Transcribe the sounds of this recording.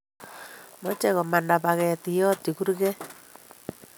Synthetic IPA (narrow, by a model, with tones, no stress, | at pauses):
mɔ˦t͡ʃɛ˦ɣɔ˨ma˨nda˨βa˨ɣɛ˨ti˨jɔ˦ti˨ɣu˦ɾɣe˦